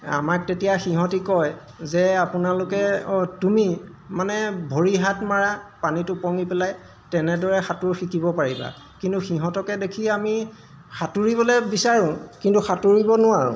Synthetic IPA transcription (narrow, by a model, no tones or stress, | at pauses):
a̰mak̚tetijaxiɦɔ̃tikɔj | zɛapʊnalʊkɛɔtumi | manɛbʱoɹiɦatmaɹapanitʊpɔŋipɛlaj | tɛnɛdɔɹɛxatʊɹxikʰibɔpaɹiba̰ | kintuxiɦɔ̃tɔkɛdekʰiami | xatuɹiβɔlɛbisaɹʊ̃kintuxatuɹibɔnʊaɹʊ̰̃